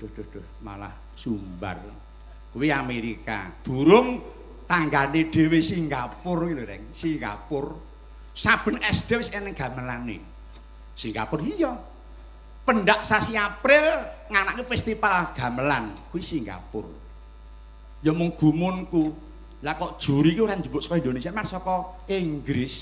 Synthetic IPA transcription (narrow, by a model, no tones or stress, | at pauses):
d̪̥ohd̪̥ohd̥ʊhma̰la̰h | sumba̰r | kuwiameɾika̰d̪̥ṳɾʊŋ | t̪aŋɡaneɖ̥e̤wesiŋɡapʊriloɾɛ̰ŋsiŋɡa̰pʊr | sab̥ə̤nɛsd̥ewɪsɛnɛŋɡ̥a̤məlanḛ | siŋɡa̰pʊrijɔ | pənɖaʔsasiapɾɪlŋanaʔkefɛst̪ifalɡ̥a̤məlankuwisiŋɡa̰pʊ̰r | jɔmʊŋɡ̥ṳmʊnku | lakɔʔd̥ʒ̥ṳɾikeuɾand͡ʒubʊʔsɔ̥kɔind̪onesiamansɔkɔ | iŋɡɾɪs